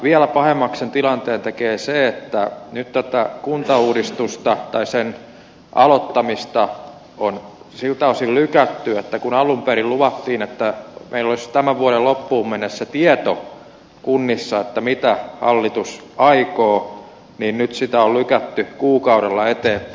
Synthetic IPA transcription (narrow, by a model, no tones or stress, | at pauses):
ʋiælæpɑhemːɑksent̪ilɑnt̪eːnt̪ekeːseet̪ːænyt̪t̪ot̪ɑkunt̪ɑuːdist̪ust̪ɑt̪ɑisen | ʔɑlot̪ːɑmist̪ɑ | on | silt̪æosillykæt̪ːyet̪ːækunɑlumpeɾilluʋɑt̪ːiːnet̪ːæmeilːolist̪æmæʋuoɾellopːuːmmenːesset̪iɛt̪o | kunːisːɑet̪ːæmit̪æhɑ̰lːit̪usɑikoː | niːnnyt̪sit̪æollykæt̪ːykuːkɑuɾelːɑet̪eː